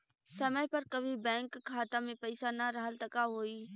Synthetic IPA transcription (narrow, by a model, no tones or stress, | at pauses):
səməjpəɾkəbʱibɛ̃ːŋkʰːaːt̪ãmẽpəɪsanəɾəɦəlt̪əkaɦoːiː